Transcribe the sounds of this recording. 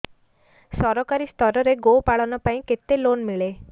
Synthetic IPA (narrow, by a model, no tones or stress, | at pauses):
sɔɾɔkaɾist̪ɔɾɔɾeɡopaɭɔnɔpaĩket̪elonmiɭe